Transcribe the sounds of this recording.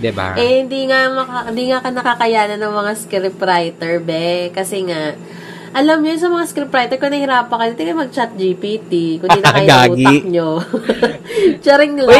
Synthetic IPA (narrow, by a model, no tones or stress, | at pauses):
d̪ɪba̰ʔɛhɪnd̪iːŋamɐaɪnd̪iːŋakɐnɐkakɐjaːnɐnɐŋmɐŋaskɾɪpɾajt̪ɛɹbɛkɐsɛŋaʔ | ʔɐlɐmɲonsɐmɐŋaskɾɪpɾajt̪ɛɹkonɐhɪɾaːpɐkɐd̪it̪ɛkɐjmɐɡ̚t͡ʃat̪̚d͡ʒipiːt̪ikʊnd̪iːnɐkɐjɡaːuːɡiɐk̚ɲo | t͡ʃɐɾɪŋl